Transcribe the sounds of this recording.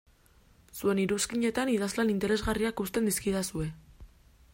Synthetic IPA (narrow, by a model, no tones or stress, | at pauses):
sue̞niɾuskiɲe̞t̪aniðazlanint̪e̞ɾe̞zɣariakust̪e̞nd̪iskiðasue̞